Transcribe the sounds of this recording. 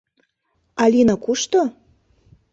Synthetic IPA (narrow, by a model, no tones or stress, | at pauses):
ɑlʲinakuʃt̪o